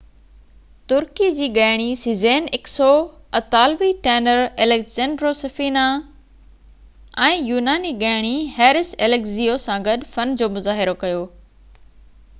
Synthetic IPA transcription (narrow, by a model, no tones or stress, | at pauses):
t̪ʊɾkid͡ʑiːɠaːɪɽ̃isizeːnɪksoɐt̪aːlʋiʈeːnəɾelekzẽːɳɖɾosɐfiːna | ɛ̃ːjuːnaːniɠaːɪɽ̃ihɛːɾɪselekziːosãɡɐɗfɐnd͡ʑoːmʊzaːɦɪɾokɐjoː